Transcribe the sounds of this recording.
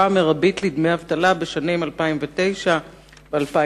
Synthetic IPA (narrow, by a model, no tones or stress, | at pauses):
ameʁabitlid̪mejavt̪alabeʃanimalpaimvet̪e̞jʃa | bealpa